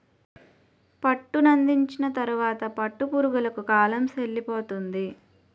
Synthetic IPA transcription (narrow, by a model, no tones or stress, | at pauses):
pɐʈːunɐnd̪iɲt͡ʃinɐt̪ɐɾuʋaːt̪ɐpɐʈːupuːɾuɡulɐkukaːlɐmselːipoːt̪und̪i